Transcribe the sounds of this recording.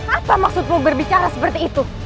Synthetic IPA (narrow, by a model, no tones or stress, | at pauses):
apamaksʊt̪̚mubərbit͡ʃaɾasəpərt̪iːt̪u